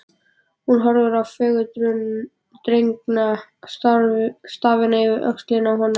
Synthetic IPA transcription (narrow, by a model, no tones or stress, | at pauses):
hunɦɔɾðʏɾawfʏːɣʏt̪ɾʏn | t̪ɾejŋknast̪ast̪aːvɪnaivɪɾœ̰kst̪lɪnawɦɔnː